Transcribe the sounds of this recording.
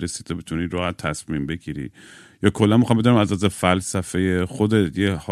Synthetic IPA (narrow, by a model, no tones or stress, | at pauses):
ɾesi̥ːt̪ʰobet̪ʰuniɾohæt̪ʰːæsmimbe̞ɡiɾḭ | jɒːkʰolːænmixɑːmbed̪unimæzɒzefælsæfejexod̪et̪ʰjeh